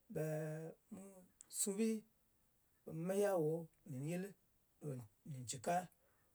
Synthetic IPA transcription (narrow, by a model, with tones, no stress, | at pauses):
bɛ˨mu˦su˦bi˦ | be˨mu˨˦me˦ja˦˨wo˨˦˨ni˨n˦je˦li˦ | do˨ni˨n˨t͡ʃi˨ka˦